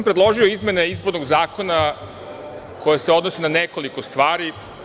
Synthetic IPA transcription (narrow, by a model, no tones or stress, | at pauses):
mpɾed̪lˠo̞ʒio̞izme̞neizboɾnoɡzaːko̞na | ko̞jeseo̞d̪no̞senaneko̞likost̪ʋaːɾi